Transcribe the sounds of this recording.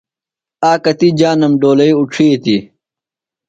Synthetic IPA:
aːkɐt̪id͡ʑaːnɐmɖoːlɐiuʈ͡ʂʰiːt̪i

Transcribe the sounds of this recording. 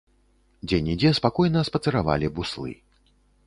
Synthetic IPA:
d͡zʲɛnʲid͡zʲɛspakɔjnɐspɐt̪sɛɾava̰lʲibuslˠɨ̰

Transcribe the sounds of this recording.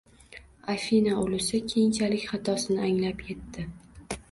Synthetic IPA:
afinaolˠɪsɪkʲʰejɪnt͡ʃʰalɪkʲχɑt̪ʰɒsɪnɪaŋlapje̞t̪ʰːɪ

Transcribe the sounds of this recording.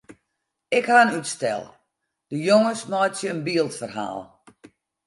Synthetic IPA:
ɪkhaənytstɛ̰lˠ | d̥əjoŋəsmɔjtsjəənbiːəlˠtfərha̰ːlˠ

